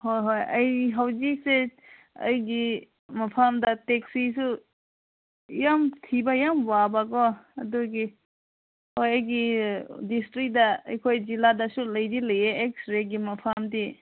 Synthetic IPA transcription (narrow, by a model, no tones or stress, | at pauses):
hojɦojəjɦawzik̚se | ə̰jɡi | mɐpʰamdɐtek̚sisu | jamtʰibajamwabaɡɔɐduɡi | hojəjɡidistɾik̚da̰ːjkʰojziladasulɐjdilɐjeeksɾeɡimɐpʰamdi